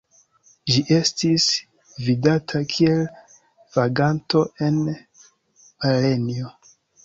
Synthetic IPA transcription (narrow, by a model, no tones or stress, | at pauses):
ʒiʔe̞stis | vidatʰakʰie̞l | v̥aɡanto̞ʔe̞n | ale̞nio